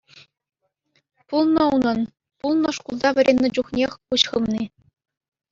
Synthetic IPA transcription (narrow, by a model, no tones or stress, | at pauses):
pulˠnɤ̆unɤ̆n | pulˠnɤ̆ʂkulˠd̪ɑʋʲɘ̆ɾʲʔenʲːɘ̆d͡ʑuχnʲexʲuɕχɤ̆mnʲi